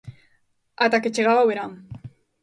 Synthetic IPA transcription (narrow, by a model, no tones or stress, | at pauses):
at̪aket͡ʃeɣaɣawβeɾa